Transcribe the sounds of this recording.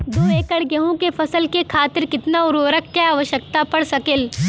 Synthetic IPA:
d̪oːeːkəɽɡɐɦõkefɐsəlkekʰaːt̪ɪɾkɪt̪naʊɾoːɾəkkjaaːʋəʃəkt̪apɐɽsɐkɪl

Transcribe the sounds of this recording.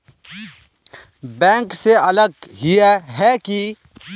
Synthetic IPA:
bɛ̃ːŋkseɐləɡ̚ɦijaɦɛki

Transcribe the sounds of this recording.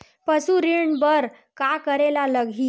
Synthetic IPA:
pəsuɾiɳbəɾ | kakəɾelaləɡʱiː

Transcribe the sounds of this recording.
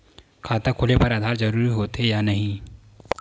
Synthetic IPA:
kʰaːt̪ɐkʰolepɐɾaːd̪ʱaːɾd͡ʒɐɾuːɾiɦoːt̪ejanɐɦĩ

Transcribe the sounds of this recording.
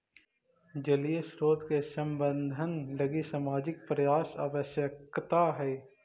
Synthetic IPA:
d͡ʒəliesɾoːt̪kesə̃mbənd̪ʱənləɡisaːmaːd͡ʒɪk̚pɾjaːsə̰ʋəʃjəkt̪aɦɛː

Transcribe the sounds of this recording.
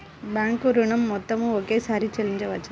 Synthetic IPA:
baːŋkuɾuɳɐmːɔt̪ːɐmũokesaːɾit͡ʃɐliɲd͡ʒɐʋat͡ʃʰ

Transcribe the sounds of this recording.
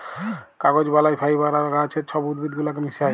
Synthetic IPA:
kaɡod͡ʒbalajpʰajbaɾaɾɡat͡ʃʰet͡ʃʰɔbud̪bid̪ɡulakemisaj

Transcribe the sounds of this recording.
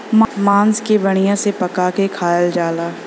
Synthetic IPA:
mmãːnskebɐɽ̃ijãsepɐkakekʰaːjəld͡ʒaːlaː

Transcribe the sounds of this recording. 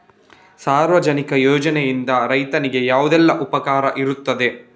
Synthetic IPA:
saːɾʋɐd͡ʒɐnikɐjoːd͡ʒɐnejind̪ɐɾɐjt̪ɐniɡe̞jaːʋud̪ɛlːɐʔupɐkaːɾɐʔiɾut̪ːɐd̪e̞

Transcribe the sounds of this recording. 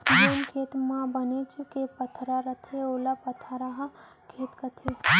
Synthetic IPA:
ɡonkʰeːt̪mãbənet͡ʃʰukepət̪ʰɾaɾət̪ʰeoːlapɐt̪ʰaɾaɦɐ | kʰeːt̪kət̪ʰe

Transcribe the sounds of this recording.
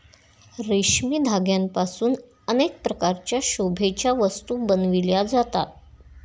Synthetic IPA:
ɾeɕmiːd̪ʱaɡjampasuːn | ənek̚pɾəkaɾt͡ɕjaɕobʱet͡ɕjaʋəst̪uːbənʋiljad͡zat̪at̪̚

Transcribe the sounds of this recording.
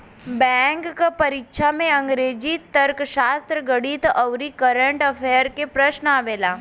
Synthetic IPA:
bɛŋkpəɾikʂʰameəŋɡɾed͡ʑiːt̪ːəɾkɕast̪ɾəɡəɽiːt̪əwɾikəɾəɳʈəfejəɾkepɾəɕnəaʋela

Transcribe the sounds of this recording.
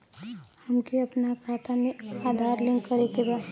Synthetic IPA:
həmkiɐpnakʰaːt̪amẽaːd̪ʱaːɾlɪ̃ŋɡkəɾekebaː

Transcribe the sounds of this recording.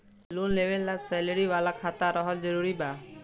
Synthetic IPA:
lunlebelːasɛləɽiʋalakʰat̪aɾɔɦɔld͡ʒɔɾuɾiba

